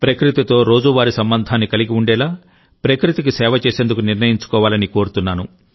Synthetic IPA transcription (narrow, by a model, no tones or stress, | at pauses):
pɾɐkɾit̪it̪o̞ːɾo̞ːd͡ʒuʋaːɾisɐmbɐnd̪ʱaːnːikɐliɡiuɳɖɛːlaː | pɾɐkɾit̪ikisɛːʋɐt͡ʃe̞ːse̞ːnd̪ukuniɾnɐjiɲt͡ʃu̥kɔːʋaːlɐniko̞ːɾut̪unːaːnu